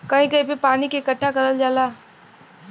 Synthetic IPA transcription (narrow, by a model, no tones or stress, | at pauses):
kɐɦĩkɐɦĩpepaːnikeɪkəʈʰːakɐɾəld͡ʒaːlaː